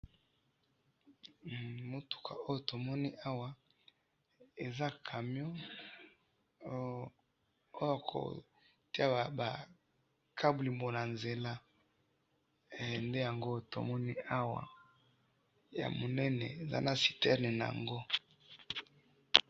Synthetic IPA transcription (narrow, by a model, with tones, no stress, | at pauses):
mo˨tu̥˨kʰa̰˨o˦jo˨to˨mɔ˦ni˦ʔa˦wa˨ | e˨za˦kʰa˨mjɔ̃˦ | o˦ja˨kʰo̰˨ | ti˦a˦˨ba˨ | kʰa˦bu˨li˨mbo˨na˨nze˨la˦˨ | nde˦ja˨ŋɡo˦˨to̰˨mɔ˦ni˦ʔa˦wa̰˨ | ja̰˨mo˨nɛ˦nɛ̰˨e˨za̰˦na˨si̥˨tɛ˦ne˨na˨a̰˨ŋɡo˦